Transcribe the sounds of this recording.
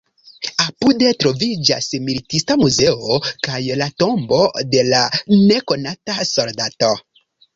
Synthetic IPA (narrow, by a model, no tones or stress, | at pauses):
apude̞tɾo̞vid͡ʒa̰smilitistamuze̞okajlato̞mbo̞de̞lane̞ko̞nataso̞ɾdato̞